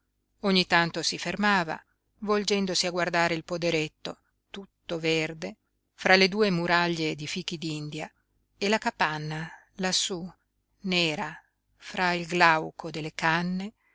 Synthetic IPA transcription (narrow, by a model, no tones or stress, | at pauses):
oɲːit̪ant̪osifermaːva̰ | vold͡ʒɛnd̪osiaɡward̪aːɾeilpod̪eɾet̪ːo | t̪ut̪ːoverd̪e | fɾaled̪uːemuɾaʎːed̪ifiːk̟id̪ind̪ja | elakapanːa | lasːu | neːɾa | fɾailɡlawkʰod̪elːekanːe